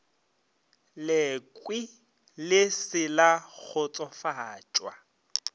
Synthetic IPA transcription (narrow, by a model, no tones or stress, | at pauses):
lɪkʼwi | lɪsɪlak͡xʰʊt͡sʼɔfaːt͡ʃʼwa